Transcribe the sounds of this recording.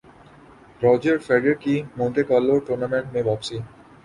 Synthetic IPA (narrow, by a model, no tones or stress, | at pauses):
ɾɔd͡ʑəɾfɛɖeɾkimõnt̪ekɔlːoʈoɾnamẽɳʈmẽbɔbsi